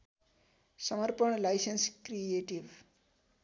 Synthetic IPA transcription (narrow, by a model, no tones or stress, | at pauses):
sʌmʌɾpəɳlajsenskɾieʈiʋ